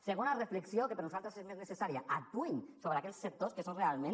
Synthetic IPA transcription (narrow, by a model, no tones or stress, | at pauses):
seɣonarefleksiokepeɾnusalt̪ɾasezmeznesesaɾijaʔat̪uɲsoβɾeakeʎsːek̚t̪oskesonrealmẽn